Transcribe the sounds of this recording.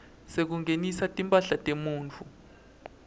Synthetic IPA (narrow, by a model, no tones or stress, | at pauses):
sek̬uŋʱenisatʼimpʼaɬatʼemuːnt͡fʰu